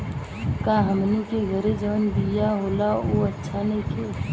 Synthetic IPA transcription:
kaːɦəmnekeɡʱəɾed͡ʒəːnd̪ijaɦoːlaoːətːʃʰanɐ̃ĩkʰeː

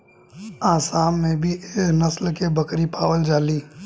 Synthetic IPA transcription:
aːsaːmːẽbʱieːknɐslkebɐkɾipaːwəld͡ʒaːliː

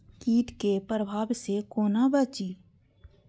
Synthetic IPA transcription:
kiːʈ̪kepɾəbʱaːbsekoːnabət͡ʃiː

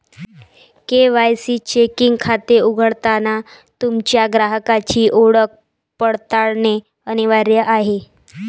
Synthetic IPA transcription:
keʋajsiːt͡ɕekiŋɡkʰat̪euɡʱəɽt̪ana | t̪umt͡ɕjaɡɾaɦəkat͡ɕiːʔoɽək̚ | pəɽt̪aɭne | əñiʋaɾjəʔaɦe

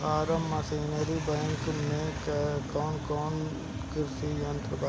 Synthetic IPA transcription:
aːɾɐmːɐsiːneɾibɐŋknẽkkɔːnkɔːn | kɪɾsijɐnt̪ɾəba

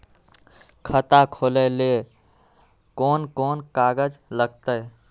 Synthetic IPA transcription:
kʰət̪akʰoləle | konkonkaɡəd͡ʒləɡ̚t̪əj

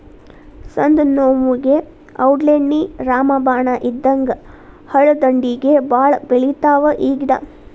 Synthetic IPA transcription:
sɐnd̪noːmuɡe | ɐ̰wʈleɳːiɾaːmɐbaːɳɐʔid̪ːɐŋɡɐ | hɐɭɐd̪ɐɳɖiɡebaːɭɐbeɭit̪aːʋɐʔiːɡnɐ̰

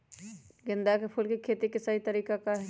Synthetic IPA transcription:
ɡɪ̃nd̪akepʰʊlkikʰeːt̪ikɪsaɦit̪əɾiːkakaɦɛ

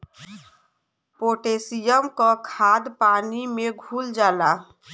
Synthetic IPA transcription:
poʈesijəmkɔkʰad̪panimeɡʱuld͡ʒala

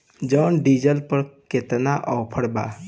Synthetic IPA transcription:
d͡ʒɔːnɖid͡ʒəlpəɾket̪naʔɔːpʰəɽba̰

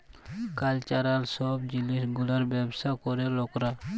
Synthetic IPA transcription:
kalt͡ʃaɾalsɔbd͡ʒilisɡulaɾbɛbsakɔɾelɔkɾa

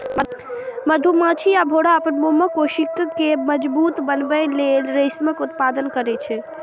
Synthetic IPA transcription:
məd̪ʱumãt͡ʃʰiabʱoɽaəpənboməkoʃikkeməd͡ʒbut̪bənbɛlelɾəɪsməkut̪pad̪ənkəɾɛt͡ʃʰɛ

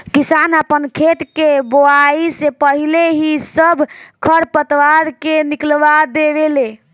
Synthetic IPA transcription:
kisanapənkʰet̪keboaisepəɦileɦisəbʱkʰəɾpət̪ʋaɾkeniklbad̪eβele

